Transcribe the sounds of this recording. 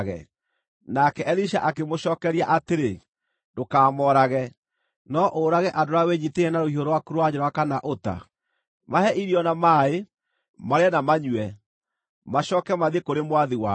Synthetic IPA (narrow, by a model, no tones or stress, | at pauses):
ɣɛ̰ | nakɛɛliʃa̰ʔakemoɕɔːkɛɾiaʔateɾe | ndokaːmɔɾaɣɛ | nɔʔoːɾaɣɛʔadoɾaweɲiteɛnaɾoioɾowakuɾoaɲoɾɔakanaʔota̰ | mahɛʔiɾiɔnamae | maɾeanamaɲwɛ | maɕɔːkɛmaðekoɾemowaðiwa